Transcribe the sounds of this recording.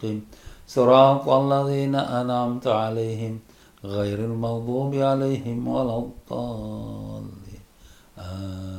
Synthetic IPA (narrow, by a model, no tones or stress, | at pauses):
imsɨɾˤɑːq̪ʔalːaðiːnaʔanʕamt̪ʕalajɦɪm | ɣajɾalmɑwd̪ˤuːbʕalajhɪmwalɑd̪ˤɑ | l | ʔa